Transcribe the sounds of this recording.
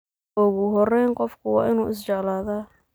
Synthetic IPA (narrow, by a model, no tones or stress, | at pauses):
ʔʊɣʊɦɔrɛjnqɔfkʰʊwɑ̰ːʔɪnuːʔɪst͡ʃɛʕlaːðaː